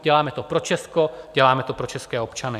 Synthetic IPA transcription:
ɟ̥ɛlaːmɛt̪opɾo̞t͡ʃɛsko̞ɟ̥ɛlaːmɛt̪o̞pɾo̞t͡ʃɛskɛːo̞pt͡ʃanɪ

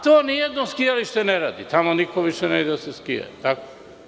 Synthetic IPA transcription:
t̪oaniɛd̪nɔskijaliʃt̪ɛnɛɾad̪it̪amonikɔviʃɛnɛd̪sɛskia̰it̪ako

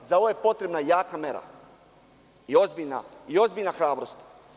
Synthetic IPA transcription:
zao̞ʋoje̞pot̪ɾe̞bnajaːkameɾa̰ | io̞zbiʎna̰io̞zbiʎnaxɾaːbɾost̪

